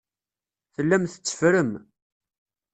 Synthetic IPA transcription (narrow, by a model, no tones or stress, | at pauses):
θəlːæmθə̥t͡sːə̥fɾəm